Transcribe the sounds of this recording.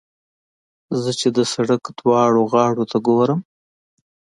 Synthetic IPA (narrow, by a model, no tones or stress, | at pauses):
zət͡ʃed̪əsaɽakd̪wɑɽoɣɑːɽot̪ʰaɡoɾəm